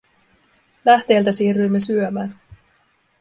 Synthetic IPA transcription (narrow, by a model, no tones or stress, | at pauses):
læht̪e̞ːlt̪æsiːrːyjmːe̞syømæːn